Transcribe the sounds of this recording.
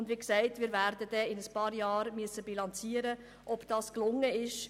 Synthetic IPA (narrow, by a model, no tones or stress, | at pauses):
ʊndʋiksæɪtmiːɾvæɾdəd̥ɛɪnəspɑːɾjɑːɾmyəsːəbilɑnt͡siːəɾə | ʔɔb̥d̥ɑːsklʊŋːəɪʃ